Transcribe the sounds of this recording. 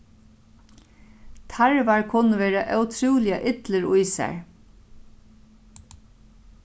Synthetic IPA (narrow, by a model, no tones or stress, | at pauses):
t̪ʰaɹʋaɹkʰʊnəʋeːɾaʔœwt̪ʰɾuːlɪaʔɪt̪ləɹʊjsæ̰ɹ